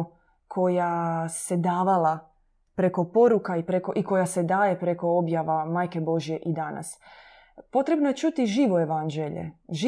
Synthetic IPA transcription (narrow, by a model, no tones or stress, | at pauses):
kʰo̞jase̞d̪aːʋala | pɾe̞ko̞po̞ɾukaipɾeko̞ʔiko̞jase̞d̪aːjepɾe̞ko̞objaʋamaːjke̞bo̞ʒije̞ʔid̪ana̰s | po̞t̪ɾe̞bnoje̞t͡ʃuːt̪iʒiːʋoe̞ʋand͡ʒeʎḛʒi